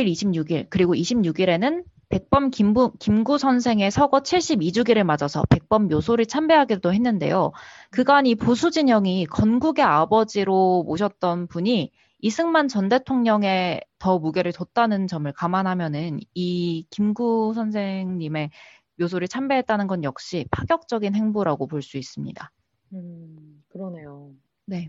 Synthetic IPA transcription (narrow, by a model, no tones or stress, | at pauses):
iɾiɕʰimɲuɡiɭkɯɾiɡoiɕʰimɲuɡiɾe̞nɯn | pe̞k̚p͈ʌmkimkimɡusʰʌnsʰe̞ŋe̞sʰʌɡʌt͡ɕʰiɭɕ͈ibid͡ʑuɡiɾɯɭmad͡ʑʌsʰʌ̰pe̞k̚p͈ʌmːjosʰoɾiɭt͡ɕʰambe̞ɦaɡidoɦe̞nːɯnde̞̰jokɯɡaniposʰud͡ʑiɲʌŋikʌnɡuɡe̞abʌd͡ʑiɾomoɕʰʌt̚t͈ʌnpuɲi | isʰɯŋmant͡ɕʌnde̞tʰoŋɲʌŋe̞tʌmuɡe̞ɾɯɭtot̚t͈anɯnt͡ɕʌmɯɭkamanɦamjʌnɯnikimɡusʰʌnsʰe̞ŋɲime̞ | mjos̬ʰoɾit͡ɕʰambe̞ɦe̞t̚t͈anɯnɡʌnjʌk̚ɕ͈ipʰaɡjʌk̚t͡ɕ͈ʌɡinɦe̞ŋboɾaɡopoɭs͈uis͈ɯmɲḭda | kɯɾʌne̞jo | ne̞